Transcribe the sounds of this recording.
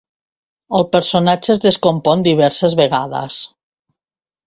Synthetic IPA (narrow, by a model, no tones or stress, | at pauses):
əlˠpəɾsonad͡ʒəzðəskompɔnd̪iβ̞ɛɾsəzβeɣaðə̰s